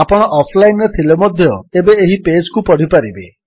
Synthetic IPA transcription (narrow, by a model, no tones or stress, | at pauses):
apɔɽ̃ɔʔɔpʰlajnet̪ʰilemɔd̪ʱjɔebeːɦiped͡ʒkupɔɽ̤ipaɾibe